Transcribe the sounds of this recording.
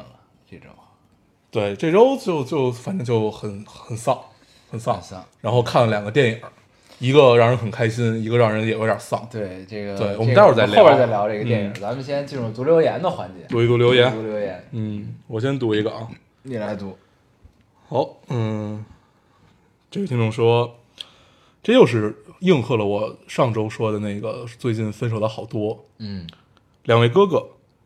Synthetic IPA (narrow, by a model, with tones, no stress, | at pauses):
lə˩ | ʈ͡ʂe˥˩ʈ͡ʂo̰˥ʊ | t̪we˥˩ɪʈ͡ʂɤ˥˩ʈ͡ʂo˥ʊt͡ɕjo˥˧ʊt͡ɕjo˥˧ʊfa˨˩nʈ͡ʂɤ˥ŋt͡ɕjo˥˩ʊxə˨˩nxə˨˩nsɑ˥˩ŋ | xə˨˩nsɑ˥˩˧nsɑ˥˩ɻa˧˥nxo˥˧ʊkʰa˥˩nlə˩ljɑ˨˩ŋɡə˦t̪jɛ˥˩ni˨˩˦ə˦ | i˧˥ɡə˧ɻɑ˥˩ŋɻə˧˥nxə˨˩nkʰa˥ɪɕi˥˧ni˧˥ɡə˧ɻɑ˥˩ŋɻə˧˥njɛ˨˩we˥ɪə˞˨˩˦sɑ˥˩ŋt̪we˥˩ɪʈ͡ʂe˥˩ɡə˩we˥˩ɪwmə˥˧˥t͡sa˥˧˩jpa˥˧˥t͡sa˥˩ljɑ˧˥ʊʈ͡ʂɡə˧jɛ˥˩i˩˨˩ŋt͡sa˧˥mə˨˧ɕjɛ˥nt͡ɕi˥˧nɻu˥˩t͡s̪u˧˥ljo˧˥ʊjɛ˧˥nd̪ə˨xwa˧˥nt͡ɕjɛ̰˧˥u˧˥i˧˥t̪u˧˥ljo˧˥ʊjɛ˧˥nu˧˥ljo˧˥ʊjɛ˧˥nn̩˥˩wɔ˨˩ɕ̬jɛ˥nt̪u˧˥i˧˥ɡə˧ʔ | ni˨˩la˧˥ɪt̪u˧˥ | xɑ˧˥ʊn̩˥˩ | ʈ͡ʂe˥˩ɡə˩t̪ʰi˥ŋʈ͡ʂʊ˥˩˧ŋʂwɔ˥ | ʈ͡ʂɤ˥˧jo˥˧ʊʂ̬ɻ̩˥˧ji˥˧ŋxʰɤ˥˩lə˩wɔ˨˩ʂɑ˥˩ŋʈ͡ʂo˥ʊʂwɔ˥d̪ə˨na˥˩ɪɡə˩t͡swe˥˧ɪt͡ɕi˥˩nfə˥nʂo˨˩ʊd̪xɑ˨˩ʊt̪wɔ˥ | n̩˥˩ | ljɑ˨˩ŋwe˧˥˩kɤ˥kɤ˧˩˦